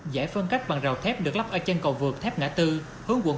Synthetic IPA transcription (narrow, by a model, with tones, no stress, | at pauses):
zaː˧˩jfə˧nka˦˥jk̚ɓa˨˩ŋza˨˩wt̪ʰɛ˦˥p̚ɗɨ˨˩ək̚la˦˥p̚ʔəː˧˩t͡ɕə˧nkə˨˩wvɨ˨˩ək̚t̪ʰɛ˦˥p̚ŋa̰ː˧˥t̪ɨ˧ | hɨ˨˦wkwə̰˧˨